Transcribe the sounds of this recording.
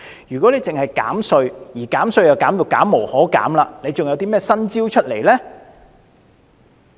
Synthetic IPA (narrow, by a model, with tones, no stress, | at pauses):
jyː˨˩kʷɔ˨˥le˨˧jt͡sɪ˨ŋhɐ˨jka̰ː˨˥msɵ˧ɥjiː˨˩kaː˨˥msɵ˧ɥjɐ˨˩wkaː˨˥mjiː˨˩wkaː˨˥mːo˨˩whɔː˨˥ka̰ː˨˥mlaː˧ne˨˧jt͡sŋjɐ˧wt̪iː˥mɛː˥sɐ˥nt͡siː˥wt͡ʃʰɵ˥t̚le˨˩jlɛː˥